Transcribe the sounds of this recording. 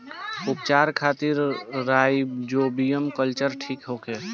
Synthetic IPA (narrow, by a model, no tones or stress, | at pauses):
ʊpt͡ʃaːɾkʰaːt̪iɾːaːjd͡ʒoːbijəmkəlt͡ʃəɾʈʰiːkɦoːkɦɛː